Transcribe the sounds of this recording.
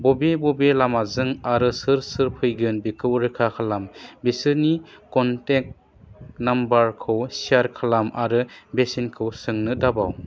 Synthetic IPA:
bɔbebɔbelamazɯŋaɾɯsɯɾsɯɾpʰɯjɡɯnbikʰɯwɾɯkʰakʰalambesɯɾnikɔntek̚ | nambaɾkʰɯwsiaɾkʰalamʔaɾɯbesinkʰɯwsɯŋnɯdabaw

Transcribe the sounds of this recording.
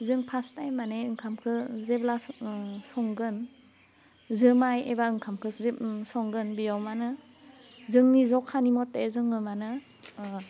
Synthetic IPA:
zɯŋpʰastajmːaneɯŋkʰamkʰɯzeblasɔŋɡɯn | zɯmajebaɯŋkʰamkʰɯsɔŋɡɯnbijawmanɯ | zɯŋnizɔkʰːanimɔtːezɯŋɯmanɯ

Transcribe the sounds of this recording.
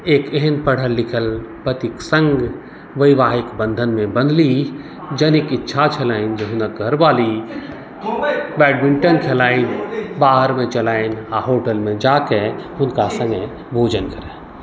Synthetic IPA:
eːkeɦənpɐɽ̤əlːɪkʰəlpət̪iksə̃ŋɡ | ʋəiʋaːɦɪkbə̃nd̪ʱənmẽbə̃nd̪li | d͡ʒənikɪtːʃʰat͡ʃʰəlaːɪnd͡ʒeɦʊnək̚ɡʱəɾbaːli | bɛːɖmɪ̃ɳʈənkʰelaːɪnbaːɦəɾmẽt͡ʃɐlaːinaɦoːʈəlmẽd͡ʒaːkeɦʊnkasə̃ŋɡə | bʱoːd͡ʒənkɐɾɛ̃

